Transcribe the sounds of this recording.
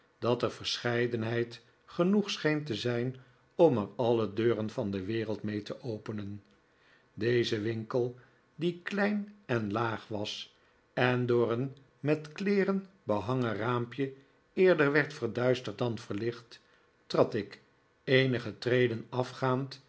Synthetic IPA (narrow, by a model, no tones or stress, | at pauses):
d̥ɑtəɹvəɹsχɛjdənɦɛjt | χənuχsχejntəzɛjn | ɔməɹɑlədøːrənvɑndəʋɪːʁəlˠtmejtəʔowpənən | dejzəʋɪŋkəlˠ | diklɛjnɛnlaːχʋɑs | ɛndʊːɹən | mɛtklɪːrən | bəɦɑŋəraːmpjə | ɪːɹdəɹʋɛɹtfəɹdœɥstəɹt̚dɑnvəɹlɪχtː | rɑtɪk | ejnəχətrejdənɑfχaːnt